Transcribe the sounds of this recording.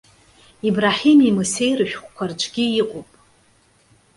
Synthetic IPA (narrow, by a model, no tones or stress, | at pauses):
ibraħimimusejrɨʃᶣχʷkʷʰart͡ʃʷʰʼɡʲiiqʼopʼ